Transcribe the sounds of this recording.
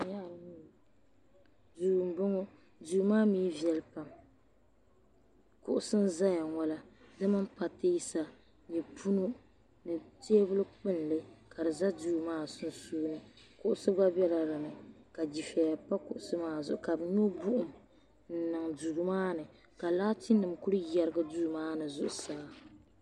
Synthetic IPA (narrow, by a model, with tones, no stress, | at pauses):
ɲa˦ʔ | duː˨ɡm˨bɨ˦ŋo˦ | du˨˦maː˦miː˦vi˨˦ɛ˨lpa˦m | kʊ˨ʔʊ˦sɨ˦n˦za˦ja˨ŋɔ˦la˦dɨ˦ma˦m̩˦pa˨tɨ˦ji˦sa˦ | ɲɛ˨pʰu˦no˦ | nɨ˨te˦e˦bʊ˦lɨ˦k͡pɨ˦n˨lɨ˦ka˨dɨ˨za˦duː˦˨maː˦sɨ˦n˦soː˦nɨ˦kʊ˦ʔʊ˦sɨ˦ba˦bɛ˦la˦ɾɨ˨nɨ˨ka˨d͡ʒi˨fɛ˨ja˨pa˦kʊ˨ʔʊ˨sɨ˦maː˦˨zʊ˨ʔʊ˨ka˨bɲo˦bu˦ʔʊ˨m | n̩˨nɨ˨ŋdu˨ɾɨ˨maː˦nɨ˨ | ka˨laː˦ti˦nːɨ˨mku˦ɾɨ˦jɛ˦ɾɨ˦ɡɨ˦du˦˨maː˦nɨ˨zʊ˨ʔʊ˨saː˦